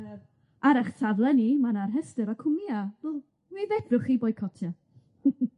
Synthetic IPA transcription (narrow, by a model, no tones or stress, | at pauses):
aɾaχtʰavlˠənimanarɦəstɨɾakʰʊmiavəlˠ | mivɛd̥rʊχibɔjkʰɔtʰja